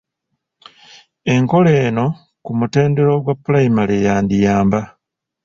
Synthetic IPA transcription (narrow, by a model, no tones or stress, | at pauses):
e̞ŋko̞le̞ːno̞ | kumute̞ːnde̞ɾoɡwapːulaimalejaːndijaːmba